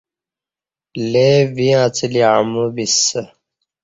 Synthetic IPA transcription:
leviãt͡siliamubisə

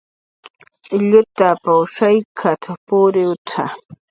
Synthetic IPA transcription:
ʎʊt̪apaʃajkʰat̪ʰapʊɾɪwt̪ʰa

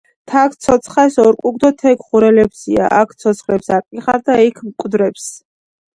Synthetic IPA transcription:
t̪ʰak̚ʰt̪sʰɔt̪sʰχɛsɔɾkʼuɡd̪ɔt̪ʰɛkχuɾɛlɛpsia̰ʔakʰt̪sʰɔt̪sʰχlɛpsaqʼiχaɾd̪aikʰmkʼd̪ɾɛps

